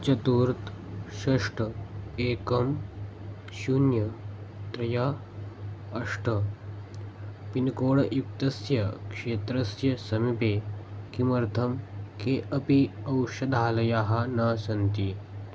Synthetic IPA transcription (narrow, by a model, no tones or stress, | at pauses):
t͡ʃɐt̪uːɾt̪ʃɐʂʈɐeːkɐm | sunjɐt̪ɾɐjaː | ʂʈɐ | pinkoːɽɐjukt̪ɐsjɐkʂeːt̪ɾɐsjɐsɐmipeːkimɐɾt̪ʰɐmkeʔɐpiɐwʃɐd̪ʱaːlɐjaːɦanɐːsɐnt̪i